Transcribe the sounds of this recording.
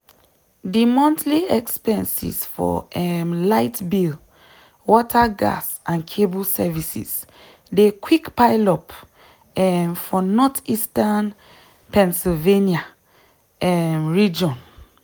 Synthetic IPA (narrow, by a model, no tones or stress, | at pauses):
dimɔ̃ntliɛkspɛ̃nsḭsfɔ̰ɛmlaɪtbil | wɔtʰaɡa̰s | ãnkʰebusɛvisḭs | dekwikpaɪlɔp | ɛmfɔnɔtistan | pɛ̃nsilvenia | ɛmɹid͡ʒɔ̃n